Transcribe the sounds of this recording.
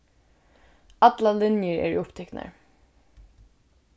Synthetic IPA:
ɑt̪lalɪnjəɹɛ̰ːɹḭʊpt̪ʰɛknə̰ɹ

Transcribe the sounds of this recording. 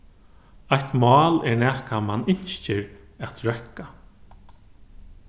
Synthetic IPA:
ajt̪mɑːlɛɹnɛːhkamanɪɲ̥st͡ʃɪɾat̪ɹɛkːa

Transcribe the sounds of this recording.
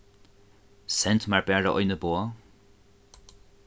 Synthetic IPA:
sɛnt̪maɹbɛɹəʔɔ̰jnəboːɐ

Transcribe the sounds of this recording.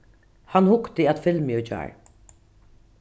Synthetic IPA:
hanhʊkt̪ɪæt̪fɪlmɪjʊd͡ʒa̰ːɹ

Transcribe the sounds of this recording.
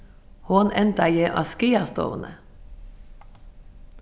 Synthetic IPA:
hoːnɛnt̪ɑjeːʔɑ̰skiːɑst̪o̰ːʁnə̰

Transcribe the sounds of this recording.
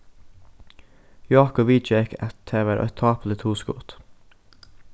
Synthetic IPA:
jɑːkɔʋiːd͡ʒɛkʰæt̪t̪ʰeːʋəɾʔo̰ɛt̪ʰɑːpʰd̪ət̪ʰuːskʊ̰ːt̪

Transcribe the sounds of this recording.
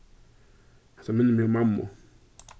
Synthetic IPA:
asaminimiomamːɔ̰

